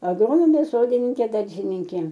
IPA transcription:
ɐɡˈroːnoːmʲeː ˈsoːdʲɪnʲɪŋʲkʲeː ˈdɐrʲʒʲɪnʲɪŋʲkʲeː

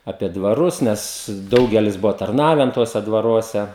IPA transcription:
ɐpʲiɛ dʋɐˈrʊs ˈnʲɛs ˈdɐʊɡʲɛlʲɪs ˈbʊʋoː tɐrˈnɑːʋʲɛn ˈtuɔsʲɛ dʋɐˈruɔsʲɛ

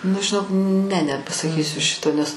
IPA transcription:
nʊ ʒʲɪˈnoːk nʲɛ nʲɛpɐsɐˈkʲiːsʲʊ ˈʃʲɪtoː nʲɛs

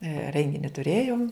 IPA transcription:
ˈrʲɛŋʲɡʲɪnʲɪ tʊˈrʲeːjoːm

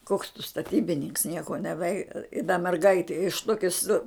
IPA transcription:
koːks tʊ stɐˈtʲiːbʲɪnʲɪŋks ˈnʲiɛkoː nʲɛˈʋʲɛɪ ɪ dɐ mʲɛrˈɡɐɪtʲɪ ɪʃ ˈtoːkʲɪ sʊ

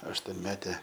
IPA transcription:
ɐʃtuɔnʲˈmʲæːtʲɛ

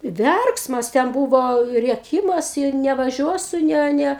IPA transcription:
ˈʋʲɛrksmɐs tʲɛn ˈbuːʋoː rʲiɛˈkʲiːmɐs ɪ nʲɛʋɐˈʒʲuɔsʊ ˈnʲɛ ˈnʲɛ

